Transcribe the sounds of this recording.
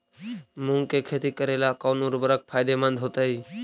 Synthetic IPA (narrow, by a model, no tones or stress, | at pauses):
mʊ̃ŋkekʰeːt̪ikəɾeːlakaːnuɾbəɾək̚pʰaːjd̪emə̃nd̪ʱɦoːt̪əɦiː